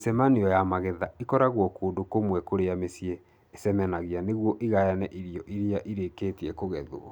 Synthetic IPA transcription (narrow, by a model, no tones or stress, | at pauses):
sɛmaniɔjamaɣɛðaikɔɾaɣwɔkoːndokomwɛkoɾeamesjeː | sɛmɛnaɣianeɣwɔʔiɣajanɛʔiɾiɔʔiɾiaʔiɾeketiɛkoɣɛðoɔ